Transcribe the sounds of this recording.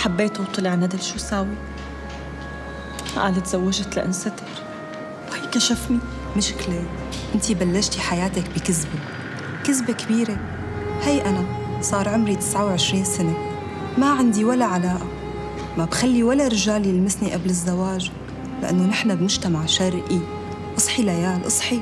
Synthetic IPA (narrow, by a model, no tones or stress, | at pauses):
ħabːeːt̪wbt̪ˤɨlɪʕnad̪ɪlʃuːsaːwi | ʔa̰ːlat̪z̥awːaʒt̪laʔɪ̰nsat̪ɪɾ | whajkaʃafni | mɪʃɪ̥kleː | ʔɪnt̪ibalːaʃt̪iħajaːt̪akbɪkɪzbe | kɪzbekbiːɾe | hajʔanasˤɑːɾˤʕʊmɾit̪ɪ̥sʕawʕɪʃɾiːnsane | maʕɪnd̪iwalːaʕalaːʔa | mabxalːiwalːaɾɪʒaːlilmɪsniʔablɪzːawaːʒ | lɪʔa̰nːonɪħnabmʊʒt̪amaʕʃaɾˤʔi | ʔɑsˤħilajaːlʔɨsˤħi